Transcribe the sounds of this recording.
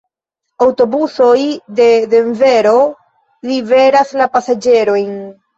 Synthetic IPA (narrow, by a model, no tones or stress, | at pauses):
awto̞buso̞jde̞de̞ɱve̞ɾo̞ | live̞ɾaslapasad͡ʒe̞ɾo̞jn